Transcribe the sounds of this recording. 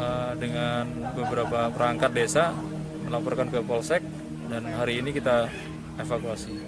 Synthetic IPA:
ədəŋanbəbəɾapapəɾaŋkat̪̚desa | məlapɔrkankəpɔlsɛk̚ | danɦaɾiːnikit̪a | efakuasi

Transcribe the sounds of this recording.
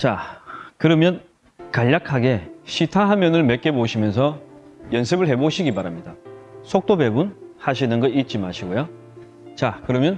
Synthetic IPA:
t͡ɕakɯɾʌmjʌn | kaʎːakʰaɡe̞ɕʰitʰaɦamjʌnɯɭme̞k͈e̞boɕʰimjʌnsʰʌ | jʌnsʰebɯɭɦe̞boɕʰiɡibaɾamɲidasʰok̚t͈obe̞bunhaɕ̬ʰinɯnɡʌit̚t͡ɕ͈imaɕʰiɡojo | t͡ɕakɯɾʌmjʌn

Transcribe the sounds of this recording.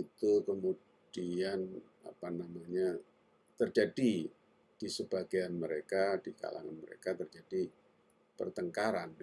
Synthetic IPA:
it̪ukəmu | d̥ian | a̰panamaɲa | t̪ərd͡ʒadi | d̥isəb̥aɡianməɾekad̥ika̰la̰ŋa̰nməɾḛkat̪ərd͡ʒadi | pərt̪əŋkaɾan

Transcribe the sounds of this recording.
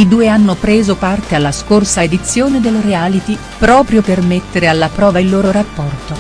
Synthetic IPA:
id̪uːeanːopɾeːzopart̪ealːaskorsaed̪it̪sːjoːned̪elːɾealit̪i | pɾɔːpɾjopermet̪ːeɾealːapɾɔːvailːoːɾoɾapːɔrt̪o

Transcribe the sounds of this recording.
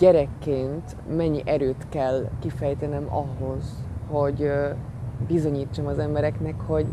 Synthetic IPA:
ɛɾɛkːeːnt̪ | mɛɲːiʔɛɾøːt̪kɛlːkifɛjt̪ɛnɛmɒ̰ɦo̞z̥ho̞ɟ | bizo̞ɲiːt͡ʃːomɒzɛmbɛɾɛknɛkho̞ɟ

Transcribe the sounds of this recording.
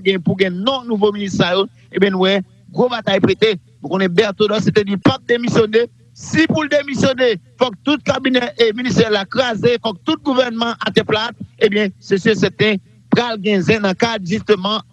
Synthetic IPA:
ɡɛ̃ɛ̃puɡɛ̃nɔ̃nũvominist̪sajo | ebjɛ̃nũwɛ | ɡʁobat̪ajpʁet̪e | nũkõnɛbɛʁt̪odɔset̪ɛdipak̚d̪emisjone | sipuld̪emisjonefɔk̚t̪ut̪̚kabinɛʔminist̪ɛlakʁazefɔk̚t̪ut̪̚ɡuvɛʁnmɑ̃ʔat̪ɛ̃plat̪̚ebjɛ̃sesjøsɛt̪ɛ̃ | pʁalɡɛ̃zɛ̃nɐ̃kad̪ʒyst̪ømɑ̃

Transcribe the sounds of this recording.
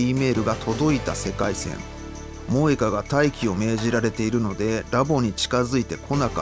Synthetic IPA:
iːme̞ːɾɯ̟ɡat̪ʰo̞d̪o̞it̪ase̞kaisẽ̞̰ŋ | mo̞ːekaɡat̪aikʲio̞me̞ːʑiɾaɾe̞t̪e̞iɾɯ̟no̞d̪e̞ɾabo̞ɲ̟it͡ɕi̥kazɨit̪e̞kʰo̞naka̰

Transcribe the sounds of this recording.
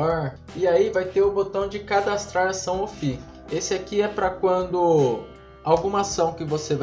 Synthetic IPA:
ɔɾ | ɪaivajt̪eɾʊbot̪ɐ̃w̃d͡ʒɪkad̪ast̪ɾaɾɐsɐ̃w̃ofi | esɪakiɛpɾɐkwɐ̃nd̪ʊ | awɡũmɐasɐ̃w̃kɪvoseva

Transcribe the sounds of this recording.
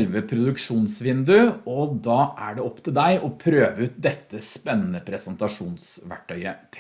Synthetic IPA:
lʋəpʰɾʊd̪ʉkʂuːnsʋɪnd̪ʉɔd̪ɑːʔæɖɛɔpːt̪ʰɪld̪æɪʔɔpʰɾøːʋəʉːt̪̚d̪ɛt̪ːəspɛnːənəpʰɾɛsənt̪ɑʂuːnsʋæ̰ʈʰːœʏəpʰ

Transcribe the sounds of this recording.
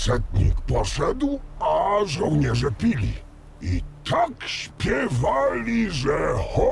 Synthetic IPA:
sɛt̪̚ɲḭkpɔʂɛd̪waʐɔ̃wɲɛʐɛpʲilʲḭ | it̪ʰakɕpʲjɛvalʲiʐɛxɔ

